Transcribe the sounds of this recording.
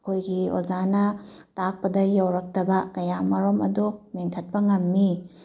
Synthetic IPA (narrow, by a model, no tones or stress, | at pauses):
kʰojɡio̰d͡ʒanɐtak̚pɐdɐjɐwɾɐk̚tɐbɐkɐjamɐɾomɐ̰dumeŋkʰɐt̚pɐŋɐmːi